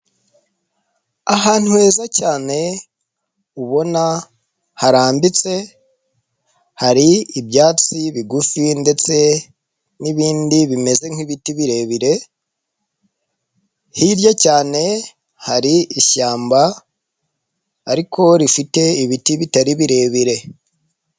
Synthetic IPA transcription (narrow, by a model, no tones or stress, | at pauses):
ahaːn̥huwe̞ːzacaːne̞ | uβo̞na | haɾaːmbit͡se̞ | haɾiibjaːt͡siβiɡufinde̞t͡se̞ | niβiːndiβime̞ze̞ŋ̥iβitiβiɾe̞βiɾe̞ | hiɾjacaːne̞ | haɾiiʃaːmba | ɾikʰo̞ɾifite̞iβitiβitaɾiβiɾe̞ːβiɾe̞